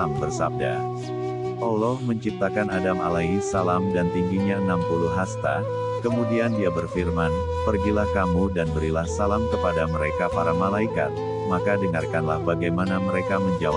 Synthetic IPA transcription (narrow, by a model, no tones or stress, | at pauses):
ambərsa̰b̚da̰ | ʔɔlɔhməɲt͡ʃip̚t̪akanadama̰laisalamdant̪iŋɡiɲaənampuluɦast̪a̰ | kəmudiandiabərfirman | pərɡilahkamudanbəɾilahsalamkəpadaməɾekapaɾamalaika̰t̪̚ | makadəŋarkanlahbaɡajmanaməɾekaməɲd͡ʒaw